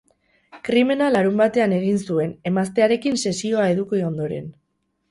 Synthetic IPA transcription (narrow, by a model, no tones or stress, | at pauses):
kɾime̞nalaɾumbat̪e̞ane̞ɣ̞insue̞ne̞mast̪e̞aɾe̞kinse̞sio̞ae̞ðukoo̞nd̪o̞ɾe̞̰n